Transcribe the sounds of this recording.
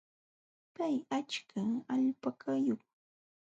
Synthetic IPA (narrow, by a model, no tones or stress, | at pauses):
pajat͡ʃkʰaaʎpakʰajoχ